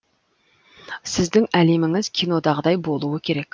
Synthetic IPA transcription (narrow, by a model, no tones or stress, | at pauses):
sɪzd̪ɪŋæle̞mɪŋɪz̥kʲʰino̞d̪ɑʁəd̪ɑjbolˠuwəkʲʰe̞ɾekʲ